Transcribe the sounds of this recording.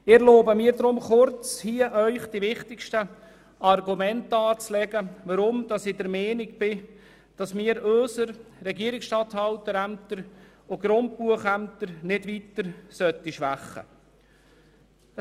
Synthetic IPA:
ɪɾloːbəmiːɾd̪ɾʊmχʊɾt͡shiəʔœʏχd̥iʋɪχtɪkʃtə | ɑrɡumɛntɑːt͡slɛɡəʋɑɾʊmd̥ɑsɪd̥əɾmɛːnɪɡ̚b̥ɪ | d̥ɑsmɪːəɾøːsəɾɾɛɡiəɾɪksʃtɑthɑwtəɾæmt̪əɾ | oɡ̥ɾʊnt̚puəχæmt̪əɾnɪdʋitəɾsœt̪ːiʃʋæχːə̰

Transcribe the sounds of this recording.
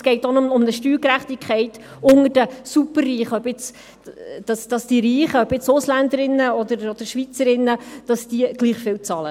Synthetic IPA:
sɡ̥ɛɪtonomʊmnəʃtyːɾkɾæχtikχæɪt | ʊŋəɾd̥əsupərːiːχəœbɪt͡s | d̥ɑsd̥ɑsd̥iːɾiːχəœpɪt͡sʊslændəɾɪnːəɔd̪əɾɔd̥̪əɾʃʋit͡səɾɪnːəd̥ɑsd̥iɡ̥liːχfɪlt͡sɑːlə

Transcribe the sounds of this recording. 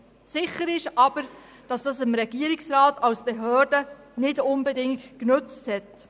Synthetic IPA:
sɪχəɾɪʃɑb̥əɾ | d̥ɑsd̥ɑsɪmɾɛɡ̥iəɾɪksɾaːtɑwsb̥eɦøːrdə | nɪdʊnbɛdɪŋttknɵt͡sthɛt

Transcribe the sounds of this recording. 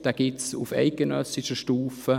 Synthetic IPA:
d̥aɡ̥ɪtsṵfɛ̰ɪk̚ɡ̥ənœsiʃəʃtuːfə

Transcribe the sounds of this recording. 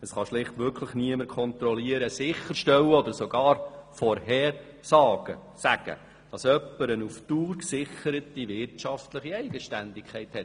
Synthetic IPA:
əsχɑʃlɪχtʋʏkʰləχniəməɾkʰɔnt̪ɾɔliəɾəsɪχəɾʃtɛwəɔd̪əɾsɔɡɑːɾfɔɾhɛːɾ | sɑːɡ̥ə̰sæɡ̥ə̰ | d̥ɑsœpːəɾənuftuːɾksɪχəɾət̪ivɪɾtt͡ʃɑftləχiɛɪɡ̥əʃtændɪkχɛɪthɛt

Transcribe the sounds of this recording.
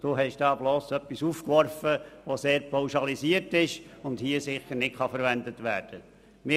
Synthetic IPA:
d̥oːɦɛʃd̥ɑːbloːsœpːisuːfkʋɔɾfəʋoseːɾpʰawʃɑlisiətɪʃʊndhiəsɪχəɾnɪtχɑfəɾʋændətʋæːɾd̥ə | mɪ

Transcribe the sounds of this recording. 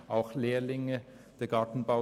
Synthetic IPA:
ʔaʊxleːlɪŋə | d̥eːɐɡɑtn̩baʊ

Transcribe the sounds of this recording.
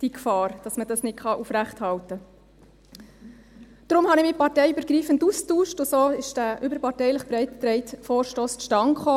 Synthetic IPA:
d̥ikfɑːɾd̥ɑsməd̥ɑsnɪtχɑʔufɾæχthɑltə | d̥ɾʊmhɑnɪmipɑɾtɛɪybəɾɡɾiːfənduːstuːʃtʊsoːɪʃd̥æʔʏbəɾpɑɾtɛɪləχpɾɛɪttɾɛɪtfoːɾʃtoːsʃtɑŋχoː

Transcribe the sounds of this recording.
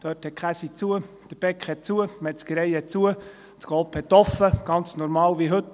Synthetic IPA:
d̥œːthɛt̚kʰæsit͡suə | d̥əɾb̥ɛkχhɛt̚t͡suəmɛtt͡skəɾɛjɛt̚t͡suə | tɡ̥ɔːpʰhɛt̪ːɔfəɡ̥ɑnt͡snɔɾmɑːlʋiɦɵt

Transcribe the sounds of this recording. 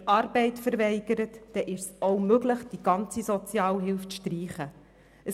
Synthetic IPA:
ʔɑːɾbɛɪtfəɾvɛɪɡəɾətːɛʔɪʃsoʊmøɡləχd̥iɡ̥ɑnt͡sizɔt͡sjɑːlɦɪlft͡sʃtriːχə | əs

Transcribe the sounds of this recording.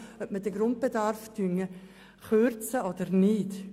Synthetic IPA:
œp̚mədəɡɾʊnt̚b̥edɑɾfd̥yŋə | χøɾt͡səɔdəɾnɪt

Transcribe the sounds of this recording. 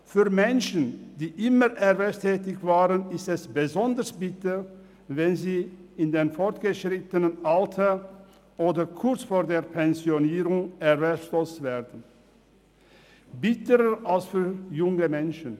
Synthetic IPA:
fyːɐmɛnʃən̩d̥iːʔɪməʁʔɛvɛstʰɛːtɪçv̥aːʁənɪstɛsb̥əzɔndəsb̥ɪtə | vɛnziːɪndeːnfɔʁtɡ̥əʃʁɪtənənʔaltʰɐ | ʔoːdɐkʰʊɐt͡sfoːɐdeːɐpʰɛnzjoniːʁʊŋɛʁvɛslostv̥ɛːdn̩ | bɪtəʁəalsfyːɐjʊŋəmɛnʃən̩

